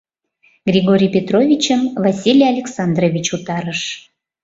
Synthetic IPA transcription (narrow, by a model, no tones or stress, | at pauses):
ɡrʲiɣoɾʲijpʲet̪rovʲit͡ɕəmvɑsʲilʲjɑlʲeksɑnd̪rovʲit͡ɕut̪ɑɾəʃ